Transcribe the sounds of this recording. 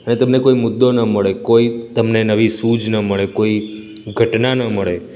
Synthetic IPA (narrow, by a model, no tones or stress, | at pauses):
ənet̪əmnekoimʊd̪ːonəməɭekoit̪əmnenəʋisud͡ʒnəməɭekoi | ɡʱəʈnanəməɭe